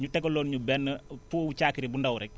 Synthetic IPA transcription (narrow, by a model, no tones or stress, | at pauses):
ɲutɛkːolːoːnɲubɛnːəpuːut͡ʃaːkiɾibundɐwɾɛk̚